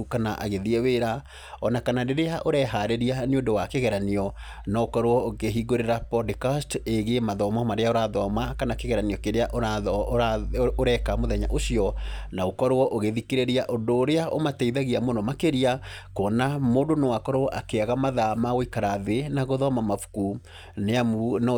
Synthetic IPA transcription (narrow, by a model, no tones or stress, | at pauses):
kanaʔa̰ɣeðiɛweɾa | ɔnakanadeɾeaʔoɾɛɦaɾeɾianeodowakeɣɛɾaniɔ | naokɔɾoɔokeɦiɡoɾeɾapɔdekasteɣemaðɔmamaɾeaoɾaðɔmakanakeɣɛɾaniɔkeɾeaʔo | oɾɛkamoðɛɲa̰ʔoɕiɔnaokɔɾowɔʔoɣeðikeɾeɾiaʔondoːɾeaʔomatɛiðaɣiamonɔmakeɾiakɔːnamoːndonowakɔɾoɔʔakeaɣamaðamaɣoikaɾaðenaɣoðɔmamafu̥ku | nean